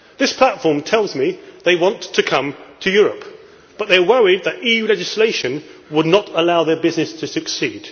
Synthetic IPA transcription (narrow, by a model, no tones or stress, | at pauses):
ðɪspʰl̥atfɔɹmtʰɛlˠzmiðeɪwɑ̃ntʰɨkʰʌ̃mtʰɨjʊɹəp | b̥ʌt̪̚ðə˞wʌɹid̪̚ðɨɾijʉlɛd͡ʒɪsleɪʃɨ̃nwədⁿnəɾəlaʊðə˞bɪznɨstʰɨsɨksid̥